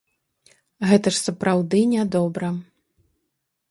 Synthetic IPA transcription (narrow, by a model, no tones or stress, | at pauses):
ɣɛt̪ɐʂsɐpɾawd̪ɨnʲad̪ɔbɾɐ